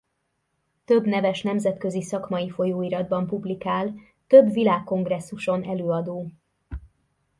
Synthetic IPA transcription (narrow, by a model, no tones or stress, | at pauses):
t̪ø̞bnɛvɛʃnɛmzɛt̪kø̞zisɒkmɒjifo̞joːiɾɒd̪bɒmpublikaːl | t̪ø̞bvilaːkːo̞ŋɡrɛsːuʃo̞nɛløːɒd̪oː